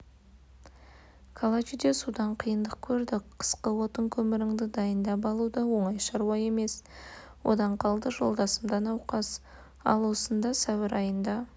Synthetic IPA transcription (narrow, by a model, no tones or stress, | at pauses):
kʰalˠat͡ʃid̪e̞sud̪ɑɴqʰijənd̪əq̚kʲʰɵɾd̪ɪqʰə̥sqəwo̞t̪əŋkʲʰɵmɪɾɪŋd̪ɪd̪ɑjənd̪ɑpɑlˠud̪ɑwo̞ɴɑjʃɑɾuwɑje̞me̞s | wo̞̰d̪ɑɴqʰɑlˠd̪əʒo̞lˠd̪ɑsəmd̪ɑnɑwqɑs | ɑ̰lˠwo̞sənd̪ɑsæwɪɾʔɑjənd̪ɑ